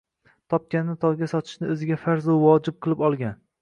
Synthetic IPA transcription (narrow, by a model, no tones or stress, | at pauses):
t̪ʰɒp̚kʲanːɪt̪ʰɒɡʲasɒt̪ʰɪ̥ʃnɪɵzɪɡʲafaɾzuvɒd͡ʒɪp̚qʰɨlˠɪpɒlˠɡʲan